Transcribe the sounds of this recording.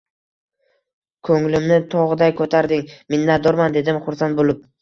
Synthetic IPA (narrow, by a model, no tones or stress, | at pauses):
kʰɵŋlɪmnɪt̪ʰɒʁɨd̪ajkʰɵt̪ʰaɾd̪ɪŋmɪnːat̪d̪ɒɾmand̪e̞d̪ɪmχʊɾsant̪̚bolɪp̚